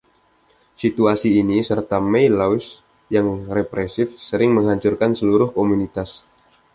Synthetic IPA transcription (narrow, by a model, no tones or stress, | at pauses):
sit̪uasiːnisərt̪amejlaɪs | jaŋrepɾesɪfsəɾɪŋməŋɦaɲt͡ʃurkansəluɾʊhkomunit̪as